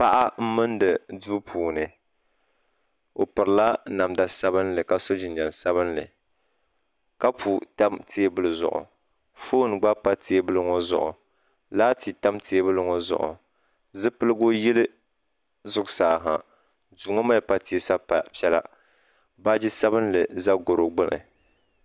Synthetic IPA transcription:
pa˦ʔa˦m̩˦mɨ˦ndɨ˨duː˦pʰuː˨nɨ˨ | o˨pɨ˨ɾla˦na˨mda˨sa˦bɨ˦nlɨ˨ka˦so˦d͡ʒɪ˨n˨d͡ʒa˨nsa˦βɨ˦nlɨ˨ | ka˦pʰu˨ta˦mtʰeː˦bɨ˦lɨ˨zʊ̰˨ʔʊ̰˨ | foː˦n˨ɡ͡ba˦pa˦teː˦bɨ˦lɨ˦ŋo˦zʊ̰˨ʔʊ̰˨ | laː˦ti˨ta˦mtʰe˨˦bɨ˦lɨ˦ŋo˦zʊ̰˨ʔʊ̰˨ | zɨ˦pɨ˦lɨ˦ɡo˦ji˦lɨ˦ | zʊ˦ɡsaː˨ɦa˨ | duː˨ŋo˦ma˦lpa˦ti˨e˨sa˦pa˨pɛ˦la̰˦ | ba˦d͡ʒɪ˦sa˦bɨ˦nlɨ˨za˦ɡo˨ɾo˨ɡ͡bɨ˦nɨ̰˨

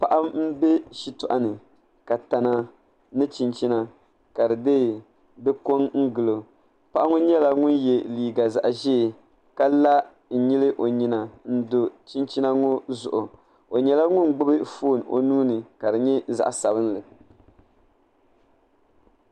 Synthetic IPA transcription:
pa˨ʔa˦m̩˦bɛ˦ʃi˨tʊ˨ʔa˨nɨ˨ | ka˨ta˨na˨ | nɨ˦t͡ʃi˨nt͡ʃi˦na˨ | ka˨dɨ˨deː˦˨ | bɛ˦ko˦ŋŋ̩˦ɡɨ˨lo˨ | pa˦ʔa˦ŋʊ˦ɲɛ˦la˨ŋʊ˦njɛ˨liː˨ɡa˨za̰˨ʔʒɛ˦˨ | ka˦la˦ | n̩˨ɲi˦lɨ˦ʔo˨ɲi˨na˨n̩˦do˨t͡ʃi˦nt͡ʃi˦na˦ŋo˦zʊ̰˨ʔʊ˨ | o˨ɲɛ˦la˦ŋʊ˦n˨ɡ͡bʊ˦bɨ˦foː˦˨no̰˨nuː˦nɨ˨ka˨dɨ˨ɲɛ˦za̰˨ʔsa˨bɨ˦nlɨ˨

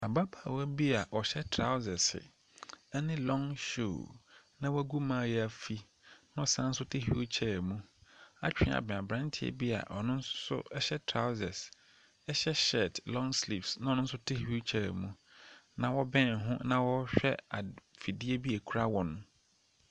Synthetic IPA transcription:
a˨ba˦bʰa˦˨wæ˦bi˦a˨ʔɔ˨ɕɛ˦tʰɾa˦ʊ˦zɛ˨sɪ̰˨ | ɛ˦nɪ̃˦lɔ̃˦ŋʃo̰˦˨nã˦wɔ˦æ˦ɡu˦mãː˦˨jɛ˦a˨fi˦ | nã˦ɔ˨sã˦n̩˦sʊ˦tʰɪ˦ɦṵ˦t͡ɕʰɛ˦˨mũ˦a˦t͡ɕᶣɪ̃˦˨a̰˨bɛ̃˨a˨bɾã˦n˦tʰɪ˦˨ɛ̰˨bi˦a̰˨ʔɔ˨nʊ̃˦n˦sʊ̰˦ɛ˦ɕɛ˦tʰɾa˦ʊ˦zɛ˨s | ɛ˦ɕɛ˦ɕɛ˨tlɔ̃˦ŋsli˨psnã˨˦ɔ˨nʊ̃˦n̩˦sʊ˦tʰɪ˦ht͡ɕʰɛ˦˨mũ˨nã˨wɔ˦bɛ̃˦˨ɦʊ̃˦nã˨wɔ˦ɕᶣɛ˦a˨fi˨di˦e˦bi˦e˨kʰu˦ɾa˦wɔ̃˨ñ˦

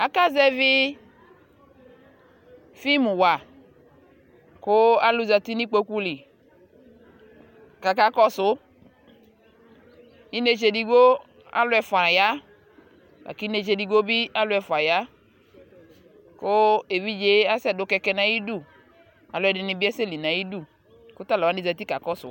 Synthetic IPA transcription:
a˨ka˦zɛ˦vɪ˦ | fi˦mu˨wa˨ | kʊ˦a˦lu˦za˨ti˦ni˦k͡po˦ku˦li˨ | ka˨ka˦kɔ˦sʊ˦ | i˦ne˦t͡ʃe˨di˨ɡo˦ | a̰˦lʊ˦ɛ˧fa˨ja˦ | ba̰˨ki˦ne˨˧˨t͡ʃe˧di˧ɡo˦bi˦a˦lʊ˦ɛ˨fa˨ja˦ | kʊ˦e˨vi˦d͡ʒe˦a˦sɛ˦dʊ˦kɛ˧kɛ˧nã˨ji˦du˦˨ | a̰˨lʊ˨˧ɛ˨dɪ˨ni˧bi˦ɛ˦se˦˨li˨nã˨ji˦du˦˨ | kʊ˦t̪a˦lɔ˨wa˨˦ni˦za˨t̪i˦ka˨kɔ˦sʊ̰˨˦

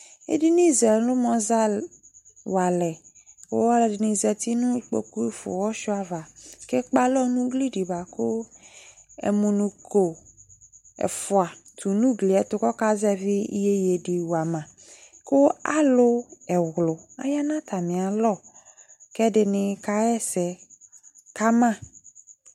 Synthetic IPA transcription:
ḛ˦di˦nĩ˦˨zɛ˨lʊ̃˦mɔ̃˨za˦ | wa˨lɛ˨ | o̰˦wɔ˦lɛ˨dɪ˨nĩ˦˨zɛ˨t̪i˦nũ˦k͡po̰˨ku˦i˦fʊ̰˨wɔ˦ʃʊ˦a˨va˨kɛ˦k͡pa˦lɔ˦nũ˦ɡli˦ɖi˨ba˨ko˦ | ɛ̰˨mũ˨nũ˦ko˨ | ɛ̰˨fʊ˨a˨t̪ʰu˨nũ˦ɡli˨ɛ˨t̪ʊ˦kɔ˦ka˦zɛ˦vɪ˦i˦je˦je˨di˨wu˨a˨mã˨ | ko˦a˦lʊ˦ɛ˨ɣlʊ˨a̰˦ja˦nã˦t̪ʰa˨mĩ˨a˨lɔ˦˨ | kɛ˦dɪ˨nɪ̃˨ka˦ɛ˦sɛ˨ | ka˦mã˦˨

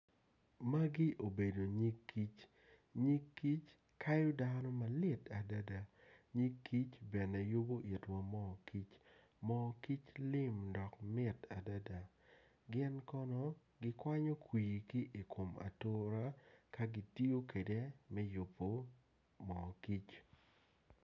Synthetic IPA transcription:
ma˦ɡɪ˦ʔo˨be˨do˨ɲi˦kʰːi˦t͡ʃ | ɲi˦kːi˦t͡ʃ | ka˦jo˦danɔ˦ma˨lɪ˦˨ta˨da˦da˨ɲi˦kʰːi˦t͡ʃbɛ˨nɛ˨jo˦bo˦ʔi˨twa˨mɔ˦ki˦t͡ʃ | mɔ˦ki˦t͡ʃlɪ˦mdɔ˨kmɪ˦ta˨da˦da˨ | ɡɪ˦nkɔ˦nɔ˦ | ɡɪ˦kwa˦ɲɔ˦kwi˨ji˨kɪ˦ʔi˨kʰo˨ma̰˨tʊ˦ɾa˦ka˦ɡi˨˦ti˦o˦ke˨de˦mɛ˦jʊ˨pːo˨ | mɔ˨ki˦t͡ʃ

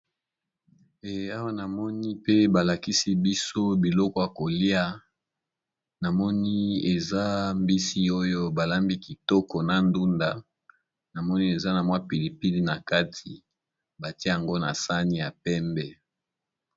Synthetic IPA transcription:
e˨a˦wa˦na˨mɔ˦ni˦pe˦ba˨la˨ki˦si˦bi˦so˦bi˨lɔ˦kɔ˦ja˨ko˨li˦a˦ | na˨mɔ˦ni˦e˨za˦mbi˦si˦o˦jo˦ba˨la˦mbi˦ki˨tɔ˦kɔ˨na˨ndu˦nda˨ | na˨mɔ˦ni˦e˨za˦na˨mwa˦pi˨li˨pi˦li˦na˨ka˦tʰi˨ | ba˨ti˦e˦a˨ŋɡo˦na˨sa˦ni˦ja˨pɛ˦mbɛ˦

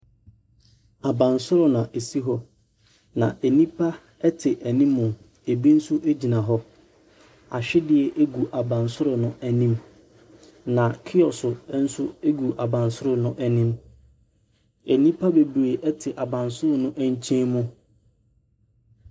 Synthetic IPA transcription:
a˨bã˨nsʊ˦ɾʊ˨nã˨ʔe˨si˦ɦɔ˦ | nã̰˨ʔe˨nĩ˦pʰa˦ | ɛ˦tʰɪ˨ʔæ˨nĩ˦mːʊ̃˨ | e˨bi˦n̩˦sʊ˦ʔe˦d͡ʑi˨nã˨ɦɔ˦ | a̰˨ɕᶣɪ˦dɪ˦ɛ˨ʔe˦ɡu˨ʔa˨bã˨nsʊ˦ɾʊ˨nʊ̃˦æ˨nĩ˦m | nã˨kʰɪ˦ɔ˨sʊ˨˦n̩˦sʊ˦e˦ɡu˨ʔa˨bã˨nsʊ˦ɾʊ˨nʊ̃˦ʔæ˦nĩ˦m | æ˨nĩ˦pʰa˦be˨bɾe˨ʔɛ˦tʰɪ˨ʔa˨bã˨nsʊ˦ɾʊ˨nʊ̃˦ʔæ˦ɲ˦t͡ɕʰɛ̃˦mʊ̃˦

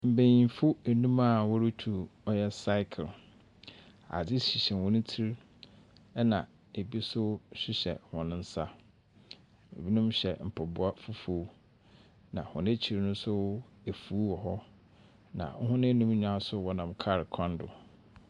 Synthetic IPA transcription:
m̩˨bẽ˨jĩ˨nfʊ˦e˨nũ˦ma˦˨wɔ˦ɾɪ˦tʰu˨ɔ˦jɛ˦sa˦ɪ˦kʰl | a̰˨d͡zɪ˦ɕi˨ɕɛ̃˨wɔ̃˦nʊ̃˦tʰi˦ɾ | ɛ˦nã˨ | e˨bi˦sʊ˦ɕᶣɪ˦ɕɛ̰˨hɔ̃˨nʊ̃˦n̩˦sa˦ | ḛ˨bi˦nũ˦mɕɛ̰˨m̩˨pʰɔ˨bʊ˨a˦fʊ˦fo˨˦ | nã̰˨hɔ̰̃˨nɪ̃˦t͡ɕʰi˨ɾnʊ̃˦sʊ˦e˨fuː˨˦wɔ˨ɦɔ˦ | nã̰˨ŋ̩˦ɦʊ̃˦nɪ̃˦nũ˦m˦ɲᶣ˨ã˦sʊ˦wɔ˦nã˨mkʰa˦˨ɾɪ˨kʰɔ̃˦ndʊ̰˨

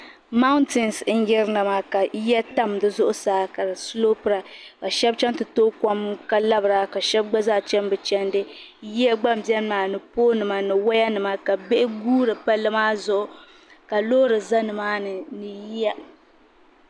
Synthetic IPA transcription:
ma˦ʊ˦ntɪ˨n˨sn̩˦jɛ˦ɾɨ˦na˨ma˨ka˨˦jɛ˦ta˦mdɨ˦zʊ˦ʔʊ˦saː˦ka˨ɨ˨slo˦pɨ˦ɾa˨ka˨ʃɛ˦b̚t͡ʃɛ˦ntɨ˨toː˦ka˦mka˦la˦bɨ˨ɾa˨ka˨ʃɛ˦b̚ɡ͡ba˦za˦t͡ʃɛ˦mbɨ˨t͡ʃɛ˦ndɨ˦ | ji˦a˦ɡ͡ba˦m˨bɛ˦n˦maː˨nɨ˨poː˦nɨ˨ma˨nɨ˨wa˦ja˦nɨ˨ma˦ka˨bɪ˦ʔɪ˦ɡuː˦ɾɨ˨pa˦lɨ˦maː˦zʊ˦ʔʊ˨ | ka˨loː˦ɾɨ˨za˦nɨ˨maː˦nɨ˨nɨ˨ji˦ja˦

